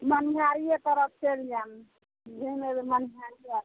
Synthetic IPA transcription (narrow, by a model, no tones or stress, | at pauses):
mənɦaɾijet̪əɾəp̚ʰt͡ʃeld͡ʒan | d͡ʒʱenemənɦaɾia